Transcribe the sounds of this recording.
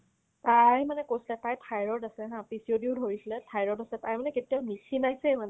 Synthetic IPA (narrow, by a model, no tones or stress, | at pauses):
tajmanɛkojsilɛtajtʰajɹɔdasɛɦãpisiodiʊdʱoɹisilɛtʰajɹɔdasɛtajmanɛketianikʰinajsɛjmanɛ